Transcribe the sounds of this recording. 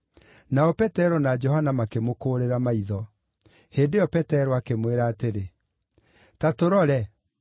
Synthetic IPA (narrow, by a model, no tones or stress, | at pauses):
naɔpɛtɛɾɔnad͡ʒɔɦanamakemokoːɾeɾamaiðɔ | heːndeɔpɛtɛɾɔakemweɾaːteɾe | tatoɾɔɾɛ